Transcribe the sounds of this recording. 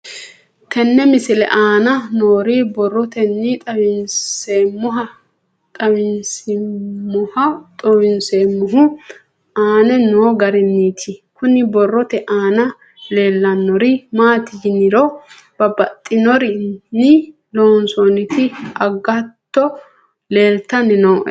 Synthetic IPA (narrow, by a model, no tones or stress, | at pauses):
t̪ʰɛnːɛmɪsɪlɛ̰ʔaːnɐnoːɾɪbɔrːɔt̪ɛnːit̪ʼɐwɪnseːmːʊɦɐ | t̪ʼɐwɪnsɪmːʊhɐt̪ʼɔwɪnseːmːʊɦʊ | aːnɛnoːɡɐɾɪnːiːt̪ʰɪkʊnːɪbɔrːɔt̪ɛʔaːnɐ | le̞ːlːɐnːɔɾɪmaːt̪ɪjɪnɪɾɔ | b̥ɐbɐt̪ʼːɪnɔɾɪnɪ | loːnsɔnɪt̪ɪɐɡɐtt̪ːɔ | le̞ːlt̪ɐnɪnoːʔ